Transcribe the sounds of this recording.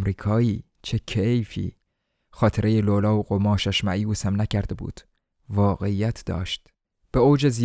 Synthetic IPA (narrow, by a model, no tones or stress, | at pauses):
mɾiːkʰɒːiː | t͡ʃʰecʰejfḭː | xɒːt̪ʰeɾʔe̞jelolɒːoɣomɒːʃæʃmæiːusæmnæcʰæɾd̪ebṵːd̪̥ | vɒːɣe̞ijæt̪ʰd̪̥ɒ̰ːʃt̪ | b̥eoːd͡ʒezi